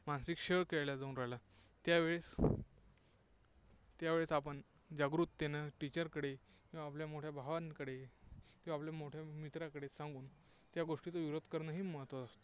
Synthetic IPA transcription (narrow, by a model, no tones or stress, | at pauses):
mãnsikɕeɭkeɭljad͡zaũnɾaɦela | t̪jaʋeɭes | t̪jaʋeɭesapəɳ | d͡ʑaɡɾut̪ːenəʈit͡ɕəɾkəɽe | kĩʋaːpljamoʈʰjabʱaʋankəɽekĩwʋapljamoʈʰjamit̪ɾakəɽesãŋɡuːn | t̪jaɡoʂʈit͡soʋiɾod̪kəɾnəɦiːməɦət̪ʋəast̪o